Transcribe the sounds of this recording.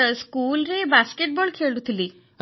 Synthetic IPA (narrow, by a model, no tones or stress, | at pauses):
skulɾebaskeʈ̚bɔɭkʰeɭut̪ʰili